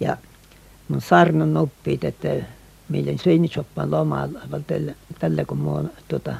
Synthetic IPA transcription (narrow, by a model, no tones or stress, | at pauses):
jɑ̰ | munsɑrnɑnupːiːt̪et̪ːæ | milːænʲsøinisopːɑ̰ːnlomɑ̰lʋɑlt̪elːt̪ælːækummont̪uot̪ɑ